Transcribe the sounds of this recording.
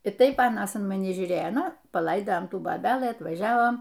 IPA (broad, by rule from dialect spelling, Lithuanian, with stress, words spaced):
ɪ ˈtɐɪp ˈɑːnɐs ɪn mɐˈnʲɪ ʒʲuːˈrʲeːjoː ˈnʊ pɐˈlˠɐɪdɐjɛm ˈtuː boːˈbʲæːlˠɨ ɐtʋɐˈʒʲæːʋoːm